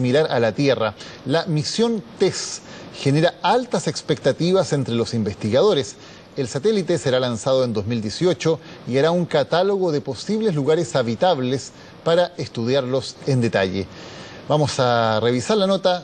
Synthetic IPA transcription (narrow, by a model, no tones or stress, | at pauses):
milaɾalat̪je̞ra | lamisjo̞nt̪esxeneɾaalt̪asekspek̚t̪at̪iβasent̪ɾelo̞simbest̪iɣað̞o̞ɾes | elsat̪elit̪eseɾalansað̞oe̞nd̪o̞zmild̪je̞sjo̞t͡ʃoiaɾauŋkat̪alo̞ɣoðepo̞siβlezluɣaɾesaβit̪aβles | paɾaest̪uð̞jaɾlo̞send̪et̪aʎḛ | bamo̞sareβ̞isaɾlanot̪a